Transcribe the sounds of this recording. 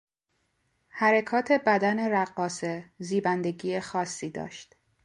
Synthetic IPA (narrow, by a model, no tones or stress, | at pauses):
hæɾekʰɒːt̪ʰe̞bæd̪æne̞ɾæɢːɒːseziːbænd̪e̞ɡiːexɒːsːiːd̪ɒ̰ːʃt̪